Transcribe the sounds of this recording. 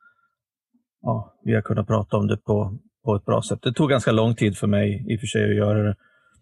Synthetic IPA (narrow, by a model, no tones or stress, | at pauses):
jɑːvɪhakʰɵnːat̪pʰɾɑ̰ːt̪aɔmd̪ɛpʰɔ | pʰɔɛt̪̚bɾɑ̰ːsɛt̪ːd̪ɛt̪ʰuːɡanskalɔŋːt̪ʰiːd̪fœɾmɛjɪfœʂɛjɔjœːɾaɾɛ